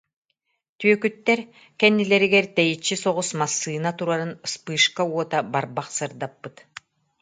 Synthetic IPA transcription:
t̪yœkyt̪ːɛɾ | kɛnːilɛɾiɡɛɾt̪ɛjit͡ɕːisɔʁusmasːɯːnat̪uɾaɾɯnspɯːʃkauɔt̪abaɾbaqsɯɾd̪apːɯt̪

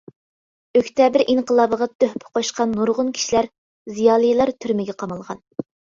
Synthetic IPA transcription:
økʲt̪ʰɛbɪɾʔiɴqʰəlˠɑːbəʁɑt̪ʰøhpʰɪ̥qʰoʃqɑnːuɾʁʊnkʲʰi̥ʃilæɾ | zijɑːlˠɨjlˠɑɾt̪ʰyɾmɪɡʲɛqʰɑmɑlˠʁɑ̰n

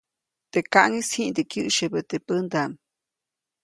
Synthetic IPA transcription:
t̪ekaʔŋishiʔnd̪ikjɨʔʃəbət̪epənd̪am

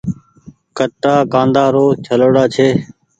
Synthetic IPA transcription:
kəʈːaːkãːnd̪aːɾoːt͡ʃʰəloːɽaːt͡ʃʰeː

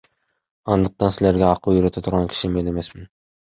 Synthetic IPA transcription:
ɑnd̪ɯq̚t̪ɑnsɪlʲeɾɡʲæɑqʰujyɾɪt̪ʰæt̪ʰʊɾʁɑnkʲʰɪ̥ʃɪme̞ne̞mesmɪn

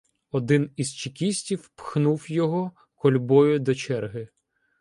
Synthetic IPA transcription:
ɔd̪ɪniz̥t͡ʃɪkʲisʲtʲiwpxnuwjɔɦɔ | kɔlʲbɔjʊd̪ɔt͡ʃɛrɦɪ

